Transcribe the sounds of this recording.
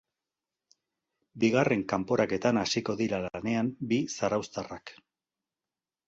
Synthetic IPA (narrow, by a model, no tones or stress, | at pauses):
biɣ̞are̞ŋkampo̞ɾake̞t̪anasiko̞ðiɾalane̞ambisaɾawst̪arak